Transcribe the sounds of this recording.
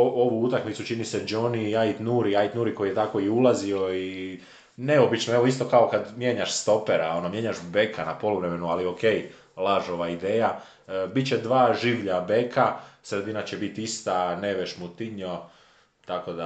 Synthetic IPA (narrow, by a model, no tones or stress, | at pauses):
oʋuut̪akmit̪sut͡ʃinise̞d͡ʒo̞niajt̪nuɾiajt̪nuɾiko̞jijet̪ako̞iɛulazio̞i | ne̞o̞bit͡ʃnoe̞ʋo̞ist̪o̞kaokad̪mjeɲaʃst̪o̞peɾao̞nomje̞ɲaʃbe̞kʰanapo̞loʋɾemenualio̞ke̞j | lˠaʒo̞ʋaid̪e̞ːja | bit̪t͡ɕe̞d̪ʋaːʒiʋʎabe̞kʰasɾe̞d̪inat͡ɕe̞bit̪ist̪ane̞ʋeʃmut̪iɲo | t̪ako̞d̪a